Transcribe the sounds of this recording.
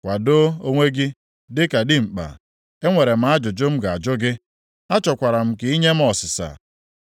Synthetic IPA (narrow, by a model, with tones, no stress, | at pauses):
kʷa˨do˦o˦ŋʷe˦ɡɪ˦ | dɪ˦ka˨dɪ˦ŋ͡m̩˨k͡pa̰˨ | e˦ŋʷe˨ɾe˨m̩˦a˦d͡ʒʊ˨d͡ʒʊ˦m̩˦ɡa˨d͡ʒʊ˦ɡɪ˦ | a˦t͡ʃɔ˨kʷa˨ɾa˨m̩˦kɪ˨i˦ɲe˦m̩˦ɔ˨sɪ˨sa̰˨